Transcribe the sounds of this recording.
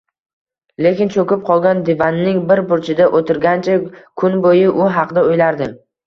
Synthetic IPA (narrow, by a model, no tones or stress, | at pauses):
le̞kʲɪnt͡ʃʰokʲɪp̚qʰɒlˠɡʲand̪ɪvanːɪŋbɪɾbʊɾt͡ʃʰɪd̪aʔot̪ʰɪɾɡʲant͡ʃʰakʰʊnbojɪʔʊɦɑqʰd̪aojlaɾd̪ɪ